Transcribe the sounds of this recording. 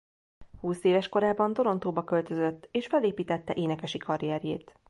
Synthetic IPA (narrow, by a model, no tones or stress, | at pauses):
huːseːvɛʃko̞ɾaːbɒnd̪o̞ɾo̞nt̪oːbɒkø̞lt̪ø̞zøt̪ːeːʃfɛleːpiːt̪ɛt̪ːɛʔeːnɛkɛʃikɒɾijɛɾjḛːt̪